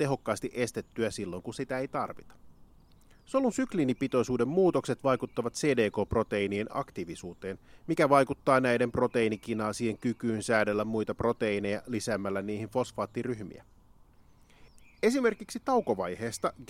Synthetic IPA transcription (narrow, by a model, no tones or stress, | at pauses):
t̪e̞ɦo̞kːɑːst̪iʔe̞st̪e̞t̪ːyæsilːo̞ŋkunsit̪æe̞jt̪ɑ̰rʋit̪ɑ̥ | so̞lunsyklinipit̪o̞jsuːde̞mmuːt̪o̞kset̪ʋɑjkut̪ːɑʋɑt̪se̞ːde̞ːko̞ːpro̞t̪e̞inienɑ̰kt̪iʋisuːt̪e̞ːnmikæʋɑjkut̪ːɑːnæjde̞mpro̞t̪e̞inikinɑːsiːeŋkyk̟yːnsæːdelːæmmujt̪ɑpro̞t̪eine̞jɑlisæːmːælːæniːhinfo̞sfɑːt̪ːiryçmḭæ̰ | e̞sime̞rkiksit̪ɑwkoʋɑjhe̞ːst̪ɑɡ